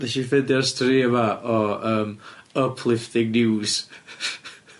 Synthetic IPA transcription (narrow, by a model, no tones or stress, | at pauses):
vɛʃifɛdjɔstʰriəvaʔɔəːməpʰlˠɪfθɪɡ̚nɪwz̥